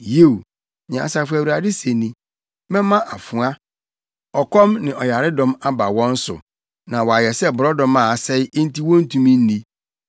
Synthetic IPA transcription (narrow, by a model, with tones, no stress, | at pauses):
je˦˨w | ɲã˨a˨sa˨fæ˨wu˨ɾa˨dɪ˦se˨nĩ˦ | mɛ̃˦mã˦ʔa˨fʊ˨a˦ | ɔ˨kʰɔ̃˦mnɪ̃˨ʔɔ˨ja˨ɾɪ˦dɔ̃˦ma˦ba˨wɔ̃˦n̩˦sʊ̰˨ | nã˨wɔ˨a˨jɛ˨sɛ˦bʊ˨ɾɔ˦dɔ̃˦mã˨a˨sɛ˦ɪ˦ẽ˦n̩˦ti˦wɔ̃˦n̩˦tʰũ˨mĩ˦n̩˦ni˦